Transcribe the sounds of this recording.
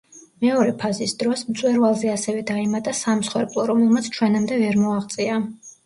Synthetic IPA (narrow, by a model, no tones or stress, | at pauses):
mɛɔɾɛpʰazisd̪ɾɔsmt̪sʼwɛɾvalˠzɛasɛvɛd̪aɛmat̪ʼasamsχwɛɾpʼlˠɔɾɔmɛlˠmat̪sʰt͡ʃʰwɛnamd̪ɛvɛɾmɔaʁt̪sʼia